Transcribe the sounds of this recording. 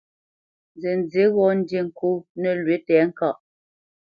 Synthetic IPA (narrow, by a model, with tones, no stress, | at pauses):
nze˨n˨d͡ze˨˦ɣɔ˦˨n̩˦de˦˨ŋ̩˨kʰo˦nɛ˨lɥe˨˦tɛː˨˦ŋ̩˦ka˦˨ʔ